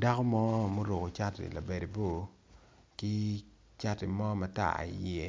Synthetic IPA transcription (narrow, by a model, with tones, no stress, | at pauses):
da˦kɔ˦mɔ˦mo˦ɾo˨ko˨t͡ʃa˦tḭ˨la˨be˨de˨bo˦˨ | ki˦ | t͡ʃa˦tɪ˨mɔ˦ma˨ta̰˦a̰˨jɛ˦